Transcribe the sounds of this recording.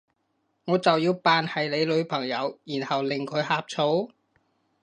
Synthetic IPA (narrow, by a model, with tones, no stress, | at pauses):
ŋɔː˨˧t͡sɐ˨wjiː˧wpaː˨nhɐ˨jle˨˧jlɵ˨˧ɥpʰɐ˨˩ŋjɐ˨˧wjiː˨˩nhɐ˨wlɪ˨˩ŋkʰɵ˨˧˥ɥhaː˧p̚t͡sʰo˨˥w